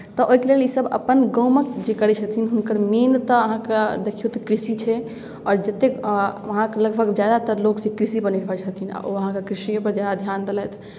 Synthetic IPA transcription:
t̪ɔʔoɦikelelisəbə̰pənɡɔ̃ʊməkd͡ʒekəɾɛt͡ʃʰət̪ʰinɦunkəɾment̪əɦãked̪ekʰijot̪kɾisit͡ʃʰɛ | ɔːɾd͡ʒət̪ːekʋəɦãkləɡbʱəɡd͡ʒjad̪at̪əɾloksẽkɾisipəɾniɾbʱəɾt͡ʃʰət̪ʰin̰o̰ʋəɦãkakɾisimẽpəɾd͡ʒjad̪ad̪ʱjaːnd̪elɛt̪ʰ

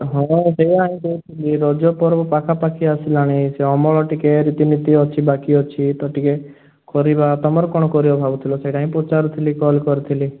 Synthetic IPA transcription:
ɦɔ̃seiaɦĩkout̪ʰiliɾɔd͡ʒɔpɔɾbɔpakʰapakʰiasilaɽ̃iseɔmɔɭɔʈikeɾit̪init̪iɔt͡ʃʰibakiɔt͡ʃʰit̪ɔʈike | kɔɾibat̪ɔmɔɾɔkɔɽ̃ɔkɔɾibɔbʱabut̪ʰilɔseʈaɦĩpot͡ʃaɾut̪ʰilikɔlkɔɾit̪ʰili

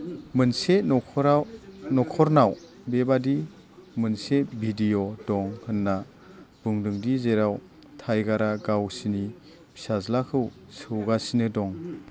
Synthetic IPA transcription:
mɯnseɔɾnɔkʰɔɾnaw | bebadi | mɯnsebʱidijɔdɔŋhɯnːa | b̥uŋdɯŋdizeɾaw | tʰajɡaɾaɡawsini | bisazlakʰɯw | sɯwɡasinɯdɔŋ

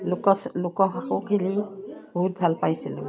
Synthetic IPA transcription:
lkɔslʊkɔɦaxokʰiliboɦut̚bʱalpajsilʊ

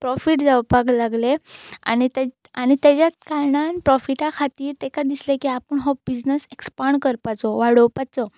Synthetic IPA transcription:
pɾɔfiʈd͡zawpaɡlaɡlea̰nit̪a | añit̪jat͡ɕjat̪kaɾɳanpɾɔfiʈakʰat̪iːɾt̪ɛkad̪islekiapəɳɦɔbid͡znəsekspaɳkəɾpat͡sɔʋaɽəwpat͡sɔ

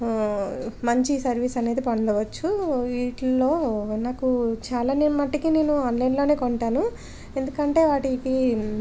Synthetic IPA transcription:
mɐɲt͡ʃisɐɾʋiːsɐneːd̪ipɐɳɖɐʋɐt͡ʃːuiːʈloːnaːkut͡ʃaːlaːnimɐʈːikine̞ːnuaːnlɐjnlo̞ːne̞ːkoɳʈaːnu | e̞nd̪ukɐɳʈe̞ːʋaːʈiːti

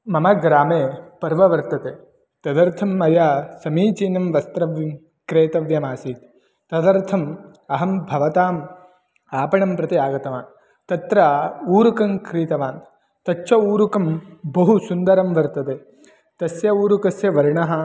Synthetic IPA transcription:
mɐmɐɡɾaːmeːpɐɾʋɐʋɐɾt̪ɐt̪eː | t̪ɐd̪ɐɾt̪ʰɐmːɐjaːsɐmiːt͡ʃiːnɐmʋɐst̪ɾɐʋjm | kɾeːt̪ɐʋjɐmaːsiːt̪ː | ɐd̪ɐɾt̪ʰɐm | ɐɦɐmbʱɐʋɐt̪aːm | aːpɐɳɐmpɾɐt̪iaːɡɐt̪ɐʋaːn | t̪ɐt̪ɾɐuːɾukɐŋkɾiːt̪ɐʋaːn | t̪ɐt͡ʃːʃʰɐuːɾukɐmbɐɦusund̪ɐɾɐmʋɐɾt̪ɐt̪eː | t̪ɐsjɐuːɾukɐsjɐʋɐɾɳɐɦɐ

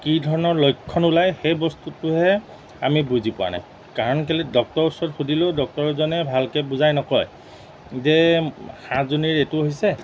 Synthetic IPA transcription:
kidʱɔɹɔnɔɹlojkʰːɔnulajxejbɔstutuɦɛ | a̰mibuzipʊa̰na̰j | kaɹɔnkɛlidɔk̚tɔɹusɔɔtxudʱilodɔk̚tɔɹzɔnɛbʱalkɛbuzajnɔkɔj | zɛxãzoniɹetuoɦisɛ

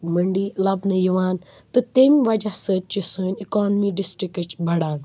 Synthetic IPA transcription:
məɳɖilɐbnɐjiʋaːn | t̪ɨt̪emʋɐd͡ʒasəːt͡ʃisəːnikɔːnmiɖɪsʈɾikət͡ʃbʱɐɽaːn

